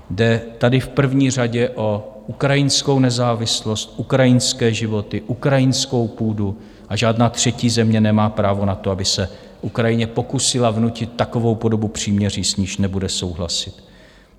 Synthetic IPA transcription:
dɛt̪adɪfpr̩vɲiːr̝aɟɛʔo̞ʔukɾajɪnsko̞wnɛzaːvɪslo̞st̪ʔukɾajɪnskɛːʒɪvo̞t̪ɪʔukɾajɪnsko̞wpuːdu | ʔaʒaːdnaːt̪r̝̥ɛciːzɛmɲɛnɛmaːpɾaːvo̞nat̪oabɪsɛ | ʔukɾajɪɲɛpo̞kusɪlavnucɪt̪ːako̞vo̞wpo̞do̞bupr̝̥iːmɲɛriːsɲiːʃnɛbudɛso̞wɦla̰sɪt̪

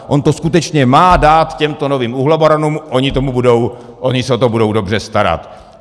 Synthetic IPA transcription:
ʔo̞nt̪o̞skut̪ɛt͡ʃɲɛmaːdaːt̪cɛmt̪o̞noviːmuɦlaboɾanuːmʔo̞ɲɪt̪o̞mubudo̞w | ʔoɲɪsɛot̪obudo̞wdo̞br̝ɛst̪aɾa̰t̪

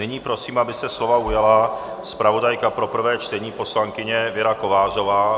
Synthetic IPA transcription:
nɪɲiːpɾo̞siːmabɪst̪ɛslo̞vaujala | spɾavo̞dajkapɾo̞pr̩vɛːt͡ʃt̪ɛɲiːpo̞slaŋkɪɲɛvɪɾakovaːʒovaː

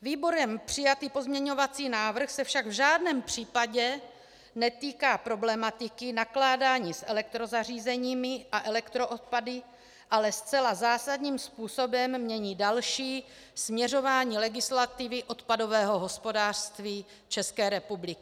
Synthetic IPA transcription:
viːbo̞ɾɛmpr̝̥ɪjat̪iːpo̞zmɲɛɲo̞vat͡siːnaːvr̩xsɛfʃaɡvʒaːdnɛːmpr̝̥iːpaɟɛ | nɛt̪iːkaːpɾo̞blɛmat̪ɪkɪnaklaːdaːɲiːsʔɛlɛk̚t̪ɾo̞zariːzɛɲiːmɪʔaʔɛlɛkt̪ɾo̞ʔot̪̚padɪ | ʔalɛst͡sɛlazaːsadɲiːmspuːso̞bɛmːɲɛɲiːdalʃiː | smɲɛro̞vaːɲiːlɛɡɪslat̪ɪvɪʔo̞t̪pado̞vɛːɦo̞ɦo̞spo̞daːr̥st̪viː | t͡ʃɛskɛːɾɛpublɪkɪ

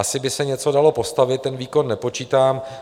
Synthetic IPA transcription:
asɪbɪsɛɲɛt͡so̞dalo̞po̞st̪avɪt̪̚ːɛnviːko̞nːɛpo̞t͡ʃiːt̪aːm

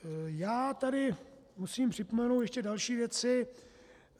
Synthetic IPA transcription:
jaːt̪adɪ | musiːmpr̝̥ɪpomɛnowt̪jɛʃcɛdalʃiːvjɛt͡sɪ

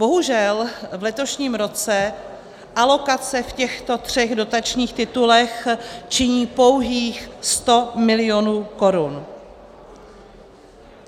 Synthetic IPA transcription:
bo̞ɦuʒɛlvlɛt̪o̞ʃɲiːmɾo̞t͡sɛ | ʔalo̞kat͡sɛfcɛxt̪o̞t̪r̝̥ɛɣdo̞t̪at͡ʃɲiːxt̪ɪt̪ulɛxt͡ʃɪɲiːpo̞wɦiːxst̪o̞mɪlɪjo̞nuːko̞ɾun

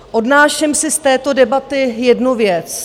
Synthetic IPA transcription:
ʔodnaːʃɛmsɪst̪ɛːt̪o̞dɛbat̪ɪjɛdnuvjɛt͡s

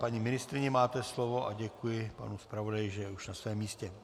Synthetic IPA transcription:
paɲimɪnɪst̪ɾɪɲɛmaːt̪ɛslo̞vo̞ʔaɟɛkujɪpa̰nuspɾavo̞dajɪʒɛjɛuʃnasvɛːmːiːscɛ

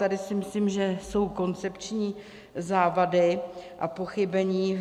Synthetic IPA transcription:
t̪adɪsɪmɪsliːmʒɛso̞wko̞nt͡sɛpt͡ʃɲiː | zaːvadɪʔapo̞xɪbɛɲiː

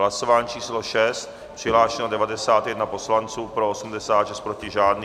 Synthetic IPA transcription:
lasovaːɲːt͡ʃiːsloʃɛst̪̚ | pr̥ɪɦlaːʃɛnodɛvadɛsaːt̪jɛdnapo̞slant͡suːpɾoosum̩dɛsaːt̪ʃɛst̪̚pɾocɪʒaːdni

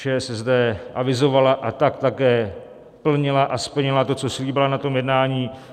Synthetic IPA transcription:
t͡ʃɛːsɛzdɛʔavɪzo̞valaʔat̪akt̪akɛː | pl̩ɲɪlaʔaspl̩ɲɪlat̪o̞t͡so̞sliːbɪlanat̪o̞mjɛdnaːɲiː

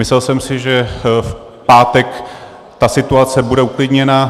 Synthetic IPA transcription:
mɪslɛlsɛmsɪʒɛf | paːt̪ɛk | t̪asɪt̪uat͡sɛbudɛuklɪdɲɛna

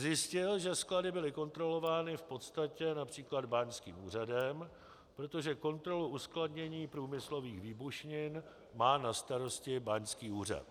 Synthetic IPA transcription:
zjɪscɪlʒɛskladɪbɪlɪko̞nt̪ɾo̞lo̞vaːnɪfpo̞t̪st̪acɛnapr̝̥iːklad̪baɲskḭːmuːr̝adɛm | pɾo̞t̪o̞ʒɛko̞nt̪ɾo̞luʔuskladɲɛɲiːpɾuːmɪslo̞viːxviːbuʃɲɪn | maːnast̪aɾo̞scɪbaɲskiːuːr̝a̰t̪

